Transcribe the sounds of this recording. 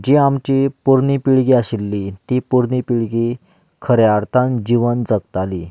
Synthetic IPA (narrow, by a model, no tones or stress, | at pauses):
d͡ʑiamt͡ɕipuɾɳipiɭɡiaɕilːit̪ipuɾnipiɭɡi | kʰəɾjaɾt̪ʰãnd͡ʑiʋənd͡zəkt̪ali